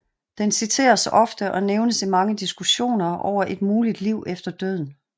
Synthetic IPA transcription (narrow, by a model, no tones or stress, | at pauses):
d̥ensit͡sʰe̝̰ːɐsɒ̽fd̥əʔɒ̽neʊnəsimɑ̈ŋəd̥isɡ̥uɕo̝̰ːnɐʔɒ̰ʊ̰ɐʔe̝d̥muːlid̥liʊʔefd̥ɐd̥øð̞̰ˠn̩